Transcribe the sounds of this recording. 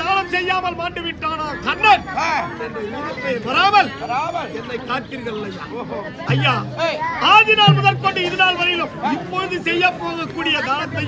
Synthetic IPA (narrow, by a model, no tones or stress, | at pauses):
aːnɐmsɛjːaːmɐlmaːɳɖɯʋɪʈːaːnaːkɐɳːɐn | ðɐt̪ːepɐɾaːmɐlːmɐlɛnːɐɪkaːɾk̪iːɾɣɐɭlːɐj | ɐjːaːaːðɪnaːlmʊðɐlkoɳɖɯɪðɐnaːlʋɐɾɐjɪlɯmɪpːoɻɯðɯsɛjːɐpːoːɣɐkːuːɽɪjɐd̪aːnɐt̪ːɐɪ